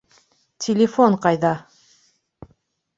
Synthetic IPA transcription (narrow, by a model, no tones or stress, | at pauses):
tʲʰɪlʲɪfoɴqɑjðɑ